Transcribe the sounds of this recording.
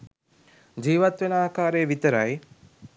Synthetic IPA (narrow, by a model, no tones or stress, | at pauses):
d͡ʒiːʋat̪ʋenəaːkaːɾejəʋit̪əɾaj